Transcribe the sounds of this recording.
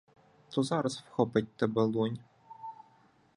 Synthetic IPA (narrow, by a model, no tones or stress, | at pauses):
t̪ɔzɑɾɐswxɔpet̚ʲt̪ɐbelˠɔnʲ